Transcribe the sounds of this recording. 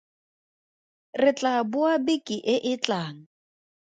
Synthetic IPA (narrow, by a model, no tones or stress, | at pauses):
rɪt͡ɬʼabʊabikʼiʔɪʔɪt͡ɬʼaːŋ̩